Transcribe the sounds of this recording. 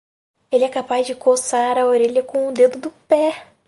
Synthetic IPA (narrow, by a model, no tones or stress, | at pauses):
elɪɛkapazd͡ʒɪkosaɾɐoɾeʎɐkõʊd̪ed̪ʊd̪ʊpɛ